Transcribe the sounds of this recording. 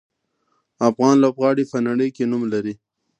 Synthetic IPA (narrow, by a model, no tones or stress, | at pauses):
afɣɑːnlopɣɑːɽipanaɽəjkenumlaɾi